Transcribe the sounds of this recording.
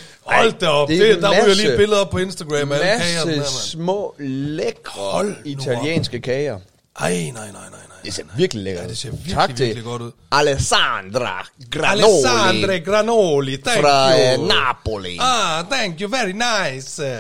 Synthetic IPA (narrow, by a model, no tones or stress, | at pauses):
hɒl̰d̥̚ːæɐɒ̽b̥ded̥ɑ̈jaliːb̥e̝ləðˠɐpʰɒ̽e̝nsd̥ɐɡ̥ʁɛmælækʰɛːɐəsmɔ̰ːleɡ̥hɒlit͡sʰæliḛːnsɡ̥əkʰɛːɐ | ʔɑɪnɑɪnɑɪ̰nɑɪnɑɪd̥ese̝ɐʋiɐɡ̥lileɡ̥ɐde̝se̝ɐʋiɐɑ̈ɡ̥iʋt͡sʰeɡliɡ̥ɒ̽d̥uð̰ˠælesand̥ʁaɡ̥ʁaleosand̥ʁɡ̥ʁanolid̥æʁɑnaboliɑd̥æŋɡ̥joʋædinɑɪs